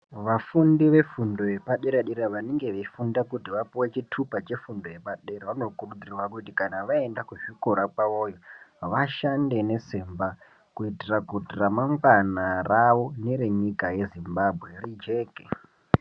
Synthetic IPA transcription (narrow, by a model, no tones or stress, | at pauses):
ʋafundiʋe̞fundo̞je̞paɗeɾaɗeɾaʋaneŋɡe̞ʋeifundakutiʋapiwet͡ʃitʰupat͡ʃe̞fundo̞je̞paɗeɾaʋano̞kurud͡zirwakutikanaʋaendakuʐiko̞ɾakaojoʋaʃande̞ne̞semba | kuitirakutiramaŋkanaraʋo̞neɾeɲikaje̞zimbabʱwe̞rid͡ʒeːke